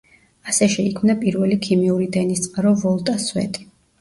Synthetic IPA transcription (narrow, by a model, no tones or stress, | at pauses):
asɛʃɛikʰmnapʼiɾvɛlikʰimiuɾid̪ɛnist̪sʼqʼaɾɔvɔlˠt̪ʼaswɛ̰t̪ʼi̥